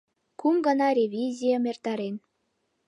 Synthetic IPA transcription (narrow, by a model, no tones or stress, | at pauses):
kumɡənɑrʲevʲizʲijəmert̪ɑɾen